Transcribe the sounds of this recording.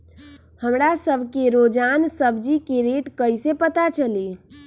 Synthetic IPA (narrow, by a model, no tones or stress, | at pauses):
həmɾasəbʱkeɾod͡ʒansəbʱd͡ʒikeɾeʈkəjsepət̪at͡ʃəli